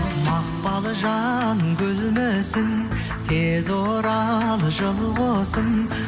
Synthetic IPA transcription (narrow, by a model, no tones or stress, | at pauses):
mɑq̚pɑlˠəʒɑnəŋkʲʰɵlmesɪn | t̪ʰezoɾɑlˠəʒəlˠʁosən